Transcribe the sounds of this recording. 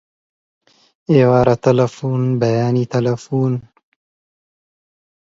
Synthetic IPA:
eːwaːɾat̪ɐlɐfuːnbɐjaːniːt̪ɐlɐfuːn

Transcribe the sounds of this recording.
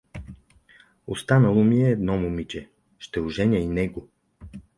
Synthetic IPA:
o̰st̪anɐlˠomiɛːd̪nɔmumit͡ʃɛ | ʃt̪ɛuʒɛnʲjəinɛɡo

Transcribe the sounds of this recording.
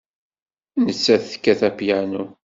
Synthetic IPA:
nət͡sːæθə̥kːæθæpjænu

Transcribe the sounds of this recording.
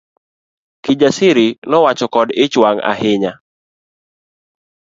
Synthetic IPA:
kid͡ʒasɪɾɪnɔwat͡ʃɔkɔdɪt͡ʃwaŋa̰ɦɪɲa

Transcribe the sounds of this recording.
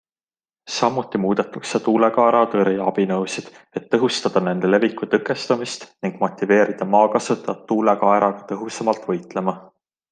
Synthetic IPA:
sɑmut̪ːˑimuːd̪̥et̪ːˑukset̪uːlekɑeɾɑt̪ɤɾiɑb̥inɤwsid̪̥ | e̞t̪ːɤɦust̪ɑd̪̥ɑne̞nd̪̥e̞le̞vikːˑut̪ɤkːˑe̞st̪ɑmist̪niŋɡ̥mo̞t̪ʲːˑive̞ːɾid̪̥ɑmɑːkɑsut̪ːˑɑt̪ːuːlekɑeɾɑɡ̥ɑt̪ɤɦusemɑlt̪vɤjt̪le̞mɑ

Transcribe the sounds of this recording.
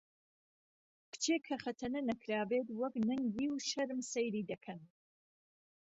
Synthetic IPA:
kʰɨ̥t͡ʃʰekʰɐχɐt̪ʰɐnɐnɐkʰɾaːbet̪wɐknɐŋɡiːwʃɐɾmsɐjɾiːd̪ɐkʰɐn

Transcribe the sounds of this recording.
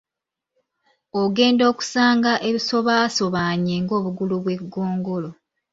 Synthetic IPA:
oɡe̞ːndo̞ːku̥saːŋɡaʔe̞βiso̞βaːso̞βaːɲeŋɡo̞ːβuɡuluβwe̞ɡːo̞ːŋɡo̞lo

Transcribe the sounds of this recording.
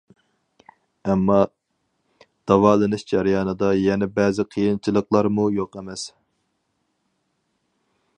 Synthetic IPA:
ɛmːɑ | d̪̥ɑwɑːlˠɨnɨʃd͡ʒæɾjɑːnɨd̪ɑjɛnɛbɛzɪqʰijint͡ʃʰilˠəqlˠɑɾmujoqɛmɛs

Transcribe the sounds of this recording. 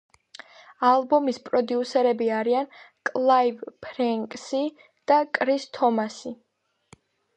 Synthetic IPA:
alˠbɔmispʼɾɔd̪iusɛɾɛbiaɾiankʼlˠaivpʰɾɛŋkʼsi | d̪̥akʼɾist̪ʰɔmasi

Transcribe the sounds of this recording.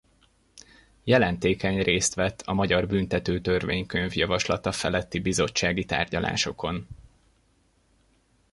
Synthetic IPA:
jɛlɛnt̪eːkɛɲreːst̪ʋɛt̪ʰːɒmɒɟɒrbynt̪ɛt̪øːt̪ø̞rveːɲkøɲvjɒvɒʃlɒt̪ɒfɛlɛt̪ːibizo̞t͡ʃːaːɡit̪a̰ːrɟɒla̰ːʃo̞ko̞n

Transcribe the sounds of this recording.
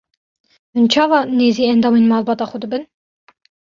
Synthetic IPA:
hɨnt͡ʃʰɑːvɑːneːziːɛnd̪ɑːmenmɑːlbɑːt̪ɑːxʷəd̪ɨbɨn

